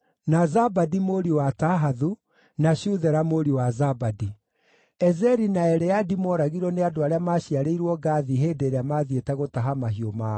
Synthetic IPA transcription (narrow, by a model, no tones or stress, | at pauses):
nazabadimoɾiwataɦaðu | naɕuðɛɾamoɾiwazabadi | ɛzɛɾinaɛɾɛadimɔɾaɣiɾɔneadoaɾeamaɕiaɾeiɾwɔɡaːðiɦeːdeɾeamaðietɛɣotaɦamaɦiomaː